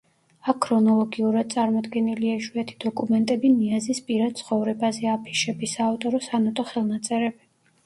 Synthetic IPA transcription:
akʰːɾɔnɔlˠɔɡiuɾad̪̥̚t̪sʼaɾmɔd̪ɡɛniliaiʃuɛt̪ʰi̥d̪̥ɔkʼumɛnt̪ʼɛbiniazispʼiɾad̪̚t̪sʰχɔvɾɛbazɛapʰi̥ʃɛbisaːft̪ʼɔɾɔsanɔt̪ʼɔχɛlˠnat̪sʼɛɾɛbi

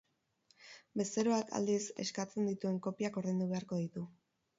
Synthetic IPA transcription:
be̞st̪e̞ɾo̞aka̰ld̪ise̞̰skat͡se̞nd̪it̪ue̞ŋko̞piako̞ɾðe̞nd̪uβe̞aɾko̞ðit̪u

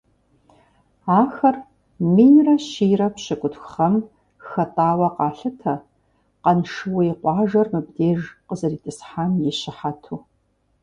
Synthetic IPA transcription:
aːxɐr | miːjrɐɕiːrɐpɕɪkʷʼʊtxχɐm | xɐtʼaːwɐqɑːɬɨtʰɐ | qɐnʂɨwɐiqʷɑːʒɐrmɨbdeːʒqəzɐriːtʰʼɨsħaːmjɪɕɪħatʰuː

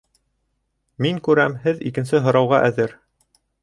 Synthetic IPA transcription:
miŋkʉɾæmhɘðikɘ̆nsɘɦŏɾɑwʁɑʔæðɘɾ

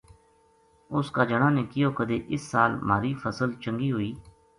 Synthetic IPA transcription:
ʊskaːd͡ʒəɽ̃ãːneːkɪjoːkəd̪eːʔɪsːaːlmaːɾiːpʰəsəlt͡ʃəŋɡiːɦoːiː

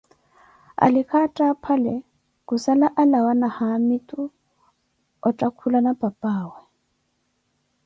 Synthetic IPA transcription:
a̰lɪkʰatʼapʰalɛ | kʼusalaʔalawanahamitʼu | ɔtʼakʰulanab̥ʱʼapʼaːwɛ

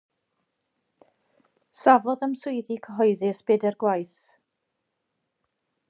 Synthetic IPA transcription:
savɔðəmsʊɨðikʰəɦɔɨðɪsb̥ɛdɛrɡwajθ

